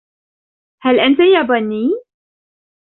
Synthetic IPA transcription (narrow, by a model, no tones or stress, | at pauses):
halʔant̪ajabanːiː